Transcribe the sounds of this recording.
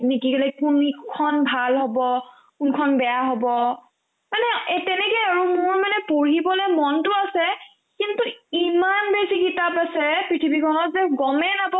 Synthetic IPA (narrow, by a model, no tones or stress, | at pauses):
nikikɔlɛkunkʰɔnbʱalɦɔbɔ | kunkʰɔnbɛjaɦɔbɔ | manɛetɛnɛkɛaɹumʊɹmanɛpoɹibɔlɛmɔntʊasɛ | kintuimanbesikitapasɛpɹitʰibikʰɔnɔtzɛɡɔmɛnabɔ